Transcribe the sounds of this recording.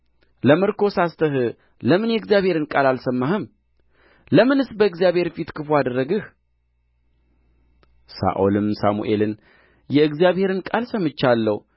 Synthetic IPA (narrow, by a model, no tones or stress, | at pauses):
ləmɨɾkʰo̞sast̪ʰəɦɨ | ləmɨnjɛɡzijaβhe̞ɾɨnkʼalalsəmːahɨm | ləmɨnɨsbəɨɡzijaβhe̞ɾfit̪kʰɨfuad̪əɾːəɡɨh | sa̰ʔo̰lɨmsamṵʔe̞lɨn | jɛɨɡzijaβhe̞ɾɨnkʼalsəmɨt͡ʃːalːəw